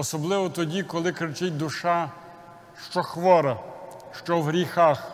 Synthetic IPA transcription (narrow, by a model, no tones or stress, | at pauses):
ɔsɔblˠɪʋɔt̪ɔdʲikɔlˠɪkɾɪt͡ʃɪtʲd̪ʊʃɑ | ʃt͡ʃɔxʋɔɾɐ | ʃt͡ʃɔwɦɾʲixɑx